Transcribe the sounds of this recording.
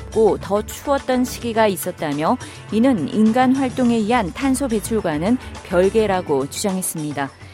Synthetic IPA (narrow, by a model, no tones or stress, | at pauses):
p̚k͈otʌt͡ɕʰuʌt̚t͈ʌnɕʰiɡiɡais͈ʌt̚t͈amjʌ | inɯnḭnɡanɸwaɭt͈oŋe̞ɥiɦantʰansʰobe̞t͡ɕʰuɭɡwanɯnpjʌɭɡe̞ɾaɡot͡ɕud͡ʑaŋɦe̞s͈ɯmɲida